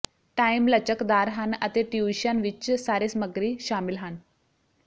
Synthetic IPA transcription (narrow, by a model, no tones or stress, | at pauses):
ʈajmlət͡ɕəkd̪aɾɦanə̰t̪eʈjuɕanʋit͡ɕsaɾesməɡɾiːɕamilɦan